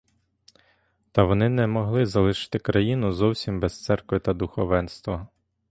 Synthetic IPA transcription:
t̪ɐʋɔnɪnɛmɔɦlˠɪzɐlˠɪʃɪ̥t̪ɪkɾɐjinʊzɔwsʲimbɛst̪sɛrkʋɪt̪ɐd̪ʊxɔʋɛnst̪ʋɐ

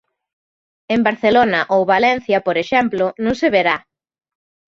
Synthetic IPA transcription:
embaɾθelonɐʔowβalɛnθjɐpoɾeʃɛmplʊnũŋseβeɾa

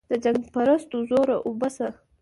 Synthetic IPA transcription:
d̪̥əd͡ʒaŋɡpaɾast̪ozoɾaʔobasa

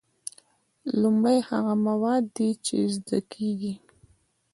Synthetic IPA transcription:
lʊmɽajhaɣamawɑd̪ːit͡ʃḛzd̪akʰeɡi

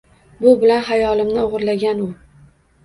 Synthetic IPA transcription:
bʊbɪlanɦajɒlɪmnɪoʁɾlaɡʲanʊ

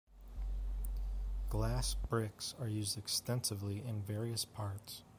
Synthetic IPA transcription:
ɡ̥læsb̥ɹɪksə˞jʉzdɨkstɛ̃nsɨvliʔɪ̃nvɛɹiɨspʰɑɹts

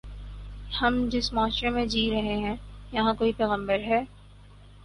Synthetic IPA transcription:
hɐmd͡ʒɪsmaːʃɾemẽd͡ʒiːɾɐɦeɦɛ̃jɐɦãkoːipɛːɣə̃mbəɾɦɛː

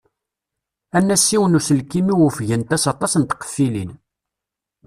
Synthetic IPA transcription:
ænːæsːiwənusəlkːimiwəfʝənt̪æsɑt̪ˤɑsənt̪qːə̥fːilin

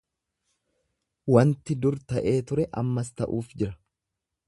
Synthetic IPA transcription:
wɐnt̪ɪd̪ʊɾt̪ɐʔe̞ːt̪ʊɾɛʔɐ̰mːɐst̪ɐʔuːfd͡ʒɪɾɐ̥

